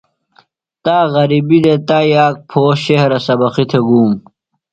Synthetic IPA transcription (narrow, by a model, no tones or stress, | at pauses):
t̪aːɣɐɾibid̪et̪aːjaːk̚pʰoːɕeɦɾɐsɐbɐqit̪ʰeɡuːm